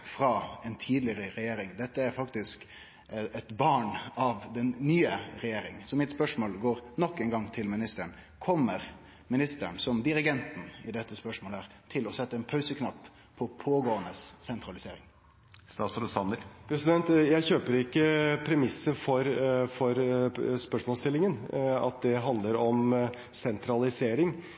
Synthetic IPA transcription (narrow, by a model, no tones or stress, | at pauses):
fɾɑɛnt̪ʰiːd̪lɪɾəɾɛjeːɾɪŋd̪ɛt̪ːəæɾfɑkt̪ɪsk | ɛt̪bɑːɳɑʋd̪ɛnːyːəɾɛjeːɾɪŋsɔmɪt̪spœʂmoːlɡoːɾnɔkːɛŋɡɑŋt̪ʰɪlmɪnɪst̪əɳ | kʰɔmːəɾ | mɪnɪst̪əɳsɔmd̪ɪɾɪɡɛnt̪n̩ɪd̪ɛt̪ːəspœʂmoːlhæːʁt̪ʰɪlɔsɛt̪ːəɛnpʰɑʉsəkʰnɑpʰː | ɔpʰoːɡoːənəsːɛnt̪ʰɾɑlɪseːɾɪ̰ŋ | st̪ɑːt̪sləsɑnəpʰɾɛsɪd̪ɛnt̪jæɪçøːpəɾɪkːəpʰɾɛmɪsːəfɔɾfɔɾspœʂmɔlst̪ɪlːɪŋənɑ̰t̪̚d̪ɛɦɑnd̪ləɾɔm | sɛnt̪ʰɾɑlɪseːɾɪŋ